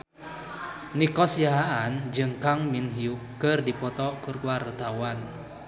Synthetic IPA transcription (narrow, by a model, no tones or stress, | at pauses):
nikɔsiaɦaand͡ʒɨŋkaŋminɦiukːɨrdipɔt̪ɔkɨrkuwart̪awan